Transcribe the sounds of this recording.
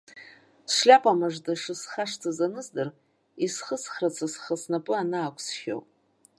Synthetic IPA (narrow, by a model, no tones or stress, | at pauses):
sʂlʲapʼamaʐdʼaʂɨsχaʂtʰazanɨzdɨr | isχəsχrat͡sʰasχasnapʼɨanaːkʷʰʼsχʲo̰pʼ